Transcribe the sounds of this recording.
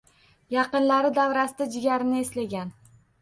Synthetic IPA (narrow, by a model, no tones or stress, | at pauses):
jɑqɨnlaɾɪd̪avɾasɪd̪ad͡ʒɪɡʲaɾɪnɪeslaɡʲan